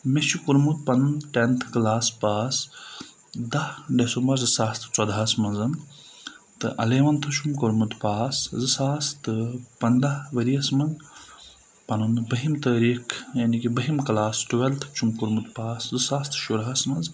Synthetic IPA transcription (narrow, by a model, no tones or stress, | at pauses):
met͡ʃʰikuɾmut̪̚pɐnnʈent̪ʰkɐlaːspaːs | d̪ɐhɖesumbɐɾzɨsaːst̪ʰɨ̥t͡sɔd̪aːsmɐnzɐn | t̪ɨʔɐ̰leːʋɐnt̪ʰɐt͡ʃʰumkuɾmut̪paːszɨsaːst̪ɨpɐnd̪ɐʋɐɾiɐsmɐn | pɐnunbɐɦimt̪əːɾiːkʰjaːnikibɐɦimkɐlaːsʈuʋelt̪ʰt͡ʃʰumkuɾmut̪paːszɨsaːst̪ʰɨ̥ʃuɾɦasmɐnz